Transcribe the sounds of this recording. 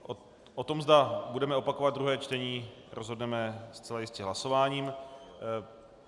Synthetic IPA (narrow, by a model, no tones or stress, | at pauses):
ʔo | ʔot̪o̞mzdabudɛmɛo̞pako̞vad̪̚d̪ɾuɦɛːt͡ʃt̪ɛɲiː | ɾʔozɦodnɛmɛst͡sɛlajɪscɛɦlaso̞vaːɲiːm